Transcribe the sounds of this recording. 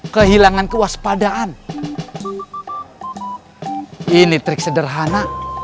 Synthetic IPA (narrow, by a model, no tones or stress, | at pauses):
kəɦilaŋankəwaspadaʔan | init̪ɾɪk̚sədərɦana